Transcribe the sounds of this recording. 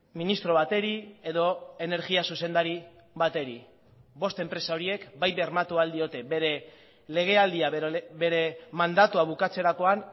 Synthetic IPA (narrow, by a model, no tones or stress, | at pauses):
minist̪ɾo̞βat̪e̞ɾie̞ðo̞e̞ne̞ɾɣiasuse̞nd̪aɾi | βat̪e̞ɾi | bo̞st̪e̞mpɾe̞sao̞ɾie̞kbajβe̞ɾmat̪uald̪io̞t̪e̞beɾe | le̞ɣ̞e̞ald̪iabe̞ɾe̞mand̪at̪uaβukat͡se̞ɾako̞an